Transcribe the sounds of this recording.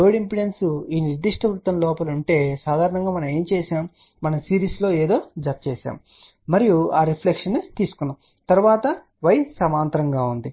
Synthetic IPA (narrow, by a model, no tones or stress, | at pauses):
oːɽimpiɽensuiːniɾd̪iʂʈʰɐʋɾut̪ːɐmlɔːpɐluɳʈe̞ːsaːd̪ʱaːɾɐnɐŋɡaːmɐnɐme̞ːmt͡ʃɛːʃaːm | mɐnɐmsiːɾisloːeːd̪o̞ːd͡ʒɐt̪ɐt͡ʃɛːʃa̰ːm | mɐɾijuaːɾipʰlekʂɐnːut̪iːsu̥kunːɐm | t̪ɐɾuʋaːt̪ɐ | ʋɐjsɐmaːnt̪ɐɾɐŋɡaːund̪i